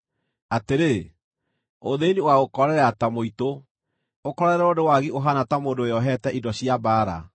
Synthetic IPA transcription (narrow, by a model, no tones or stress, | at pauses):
ateɾe | oðeniwaokɔɾɛɾɛatamoito | okɔɾɛɾɛɔdewaɣioɦanatamoːndoeɔɦɛtɛʔindɔɕiabaːɾa̰